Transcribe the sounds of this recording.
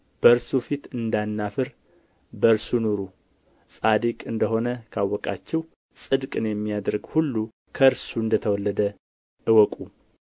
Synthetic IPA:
b̥əɨɾsufit̪ɨnd̪anːafɨɾ | bəɨɾsunuɾu | sʼad̪ikʼɨnd̪əɦo̞nəkʰawːɔkʼa̰t͡ʃːɛw | sʼɨd̪kʼɨnjɛmːijad̪ɾɨɡhulːu | kʰəɨɾsuɨnd̪ət̪ʰəwɔlːəd̪ə | ʔɨwɔkʼu

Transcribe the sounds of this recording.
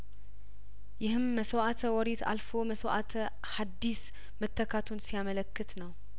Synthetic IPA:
jɪhɨmːəsəwʔat̪ʰəwɔɾet̪ʰa̰lfoməsəwʔat̪ʰə | had̪ːis | mət̪ʰːəkʰat̪ʰunsijamələkːɨt̪nəw

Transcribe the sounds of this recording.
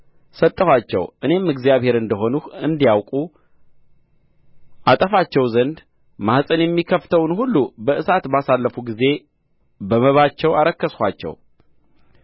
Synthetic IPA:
sət̪ʼːəhʷwat͡ʃːɛ̰wʔɨne̞mɨɡzjaβhe̞ɾɨnd̪əɦo̞nuhɨnd̪ijawkʼu | ʔat̪ʼəfat͡ʃːɛwzənd̪ | mahsʼɨnjɛmːikʰːəft̪ʰəwnhulːubəʔɨsat̪basalːəfuɡize̞ | bəməβat͡ʃːɛwaɾəkːəskʷat͡ʃːɛ̰w

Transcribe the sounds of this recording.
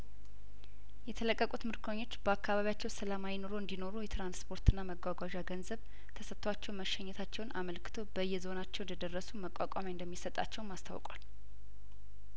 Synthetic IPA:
jɛt̪ʰələkʼːəkʼut̪mɨɾkʰoɲːo̞t͡ʃːb̥əakːaβaβijat͡ʃːɛwsəlamajɪno̞ɾoɨnd̪ino̞ɾujɛt̪ɾanspʰo̞ɾt̪ʰɨnːaməɡʷaɡʷaʒaɡənzəβ | t̪ʰəsət̪ʰːwat͡ʃːɛwməʃɛɲːɛt̪ʰat͡ʃːɛwnaməlkʰɨ̥t̪ʰo̞bəɨjːɛzo̞nat͡ʃːɛwnd̪əd̪ərːəsuməkʼakʼamaɨnd̪əmːisət̪ʼa̰t͡ʃːɛwnmast̪ʰa̰wkʼwa̰l

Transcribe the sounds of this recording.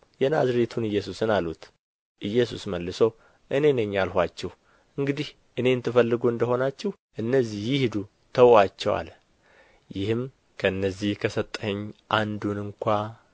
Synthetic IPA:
jɛnazɾet̪ʰunɨjːɛsusɨnalut̪ | ʔɨjːɛsusməlːɨsow | ʔɨne̞nəɲːalhʷat͡ʃːɛh | ɨŋɡɨd̪ih | ʔɨne̞ɨnt̪ʰːɨfəlːɨɡuɨnd̪əho̞nat͡ʃːɛh | ʔɨnːəzːihjɪhd̪u | t̪ʰəwat͡ʃːɛwa̰l | jɪhɨm | kʰəɨnːəzːihkʰəsət̪ʼːəɲːʔand̪unɨŋkʷa

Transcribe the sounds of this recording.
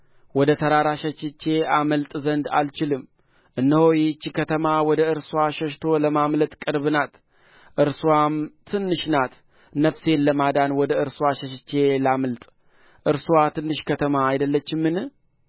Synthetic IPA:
wɔd̪ət̪ʰəɾaɾaʃət͡ʃːɪt͡ʃːe̞aməlt̪ʼzənd̪a̰lt͡ʃɪlɨm | ʔɨnːəhojɪt͡ʃːkʰət̪ʰəmawɔd̪əɨɾsuwaʃəʃt̪ʰo̞ləmamlət̪ʼkʼɨɾbɨnat̪ | ʔɨɾsuwamt̪ʰɨnːɨʃnat̪ | nəfse̞nləmad̪anwɔd̪əɨɾsuwaʃəʃɪt͡ʃːe̞laməlt̪ʼ | ʔɨɾswat̪ʰɨnːɨʃkʰət̪ʰəmaːjd̪əlːət͡ʃːɪmːɨnɨ

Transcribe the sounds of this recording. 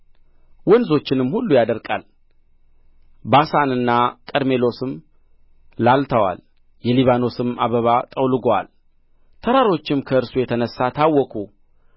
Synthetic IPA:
wɔnzo̞t͡ʃːɪnɨmhulːujad̪əɾkʼal | basanɨnːakʼəɾme̞lo̞sɨm | lalt̪ʰəwa̰l | jɛliβano̞sɨma̰βəβat̪ʼəwlɨɡowa̰l | t̪ʰəɾaɾo̞t͡ʃːɪmkʰəɨɾsujɛt̪ʰənəsːat̪ʰawːɔkʰʼu

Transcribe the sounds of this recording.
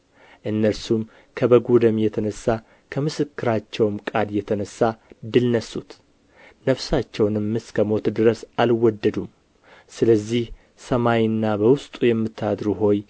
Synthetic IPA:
ʔɨnːəɾsum | kʰəbəɡud̪əmjɛt̪ʰənəsːa | kʰəmɨsɨkːɨɾat͡ʃːɛwmkʼad̪jɛt̪ʰənəsːad̪ɨlnəsut̪ | nəfsat͡ʃːɛwnɨmːɨskʰəmo̞t̪d̪ɨɾəsalwɔd̪ːəd̪um | sɨləzːih | səmajɨnːabəwʊst̪ʼujɛmːɨt̪ʰːad̪ɾuɦo̞j

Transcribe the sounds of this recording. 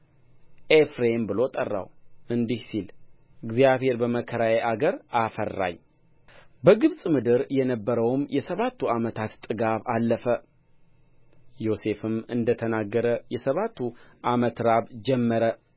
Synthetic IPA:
ʔefɾembɨlo̞t̪ʼərːa̰wɨnd̪ihsil | ɨɡzijaβhe̞ɾbəməkʰəɾajeʔaɡəɾafə̰rːa̰ɲ | bəɡɨβsʼmɨd̪ɨɾjɛnəbːəɾəwmjɛsəβat̪ːuamət̪ʰat̪t̪ʼːɨɡaβalːəfə | jo̞se̞fɨmɨnd̪ət̪ʰənaɡːəɾəjɛsəβat̪ʰːuʔamət̪ɾaβd͡ʒɛmːəɾə

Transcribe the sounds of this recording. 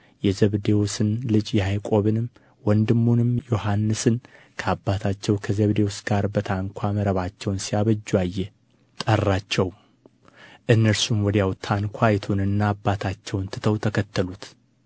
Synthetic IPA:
jɛzəβd̪e̞wsɨnlɨd͡ʒjɛhajkʼo̞βɨnɨm | wɔnd̪ɨmːunɨmjo̞hanːɨsɨn | kʰəabːat̪ʰat͡ʃːɛwkʰəzəβd̪e̞wusɡaɾbət̪ʰaŋkʷʰaməɾəβat͡ʃːɛwnsijaβəd͡ʒːuajːɛ | t̪ʼərːat͡ʃːɛw | ʔɨnːəɾsumwɔd̪jawt̪ʰankʷʰajɛt̪ʰunɨnːaːbːat̪ʰat͡ʃːɛwnt̪ʰɨt̪ʰəwt̪ʰəkʰət̪ːəlut̪

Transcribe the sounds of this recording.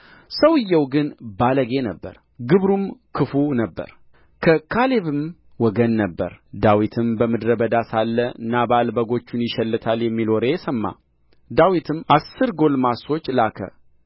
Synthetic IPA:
səwɨjːɛwɡɨnbaləɡe̞nəbːə̰ɾ | ɡɨβɾumkʰɨfunəbːə̰ɾ | kʰəkʰaleβɨm | wɔɡənːəbːə̰ɾd̪awit̪ʰɨmbəmɨd̪ɾəbəd̪asalːənabalbəɡo̞t͡ʃːunjɪʃɛlːɨt̪ʰaljɛmːilɔɾesəmːa̰ | d̪awit̪ʰɨmʔasːɨɾɡo̞lmaso̞t͡ʃːlakʰə̰

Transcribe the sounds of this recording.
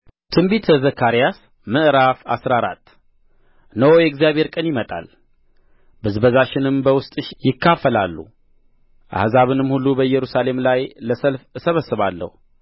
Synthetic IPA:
t̪ʰɨmbit̪ʰːəzəkʰːaɾijas | mɨʔɾafasɾaɾa̰t̪ʰː | nəwojɛɡzijaβʱhe̞ɾkʼənjɪmət̪ʼa̰l | bɨzbəzaʃɪnɨmbəwʊst̪ʼɨʃjɪkːafːəla̰lːṵ | ʔa̰hzaβɨnɨmhulːubəjːɛɾusale̞mlajləsəlfsəβəsːɨβalːə̰hu

